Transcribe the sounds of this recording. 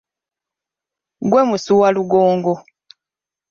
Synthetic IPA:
ɡweːmusuwaluɡoːŋɡo

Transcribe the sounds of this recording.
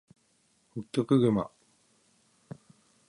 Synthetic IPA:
hɯkʲːokɯ̟ɡɯma̰

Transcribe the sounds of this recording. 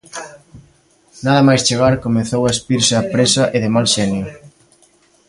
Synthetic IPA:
naðɐmajst͡ʃeɣaɾkomeθowaespiɾsɪapɾesɐʔeðɪmalʃɛnjʊ

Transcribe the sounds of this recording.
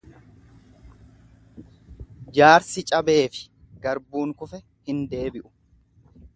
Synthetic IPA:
d͡ʒaːɾsɪt͡ʃʼɐbe̞ːfɪ̥ | ɡ̥ɐɾbuːŋkʊfɛ | hɪnd̪e̞ːbɪʔʊ̥

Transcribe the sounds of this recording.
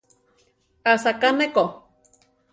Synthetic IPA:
asakaneko

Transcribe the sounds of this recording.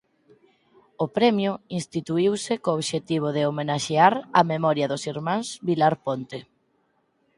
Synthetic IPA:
opɾɛmjʊinst̪it̪uiwsɪkoːβʃet̪iβ̞oðeomenaʃeaɾamemɔɾjɐðosiɾmãŋsβilaɾpont̪e

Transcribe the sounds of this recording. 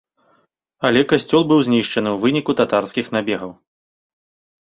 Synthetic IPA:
ɐlʲɛkasʲt͡sʲɔlˠbɨwzʲnʲiʂt͡ʂɐnɨwvɨnʲikut̪at̪arskʲixnabʲɛɣɐw

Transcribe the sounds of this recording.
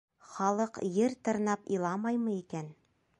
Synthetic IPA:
χɑlˠɤqjɘɾt̪ɤ̆ɾnɑpilˠɑmɑjmɤ̆ikæn

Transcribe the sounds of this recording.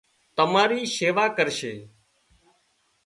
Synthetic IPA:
t̪əmaːɾiːseːʋaːkəɾʃeː

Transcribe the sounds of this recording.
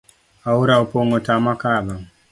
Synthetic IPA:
auɾaopoŋɡotamakaðaŋ

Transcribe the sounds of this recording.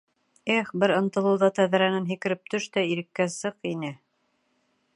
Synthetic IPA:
æχbɘɾɤ̆nt̪ɤ̆lˠɤ̆wðɑt̪æðæɾænɘnɦĭkɘ̆ɾɘp̚t̪ɵʃt̪æiɾɘ̆kːæsɤqinɘ

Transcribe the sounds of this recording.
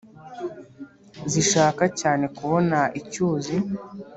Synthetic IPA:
ziʃaːkacaːne̞kuβo̞naʔicuːzi

